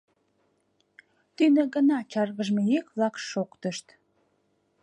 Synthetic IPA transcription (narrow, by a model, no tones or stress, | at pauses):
t̪ynĕɣənɑt͡ɕɑrɣəʒmejekβlɑkʃokt̪əʃt̪